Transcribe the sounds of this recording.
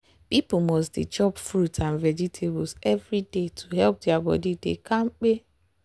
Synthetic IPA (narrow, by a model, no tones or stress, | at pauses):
pipomɔstdet͡ʃɔpfɾutãnvɛd͡ʒitʰebsɛvɾidetʰuɦɛlp̚diabɔ̰didḛkãŋ͡m̩k͡pe